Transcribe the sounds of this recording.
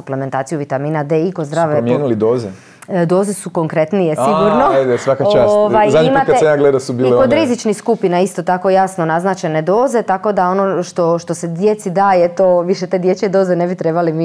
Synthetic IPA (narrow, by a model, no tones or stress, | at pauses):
uplement̪aːt̪sijuʋit̪amiːnad̪eikozd̪ɾaːʋemjenulid̪oːze | d̪o̞ːzesuko̞ŋkɾet̪nijesiɡuɾnoed̪esʋakat͡ʃasʋajzaimatkaamjaːɡled̪asubiːlekod̪ɾizit͡ʃnixskupinaist̪o̞t̪ako̞jasnonaznat͡ʃe̞ne̞d̪o̞ːze̞t̪ako̞d̪ao̞noʃt̪o̞ʃt̪o̞sed̪jet̪sid̪aːjet̪oʋiʃet̪eːd̪jet͡ɕed̪o̞ːzenebit̪ɾebalimi